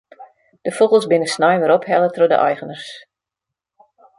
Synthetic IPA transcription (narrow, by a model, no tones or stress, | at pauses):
d̥əfoɣəlˠsbɪnəsnajʋəɾɔphɛlətrodə̰ʔa̰jɣənərs